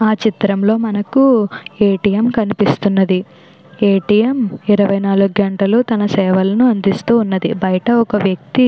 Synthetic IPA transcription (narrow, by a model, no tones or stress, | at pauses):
aːt͡ʃit̪ɾɐmlo̞ːmɐnɐkueːʈijemkɐnipist̪unːɐd̪i | eːʈijemiɾɐʋɐjnaːluɡɡɐɳʈɐlut̪ɐnɐsɛːʋɐlɐnuɐnd̪ist̪uːnːɐd̪ibɐjɐʈɐɔkɐʋjɐk̚t̪i